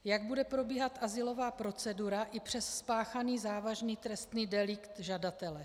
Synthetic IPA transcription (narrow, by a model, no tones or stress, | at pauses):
jaɡ̚budɛpɾo̞biːɦat̪ʔazɪlo̞vaːpɾo̞t͡sɛduɾaʔɪpr̝̥ɛsspaːxaniːzaːvaʒniːt̪ɾɛst̪niːdɛlɪkt̪ʒadat̪ɛlɛ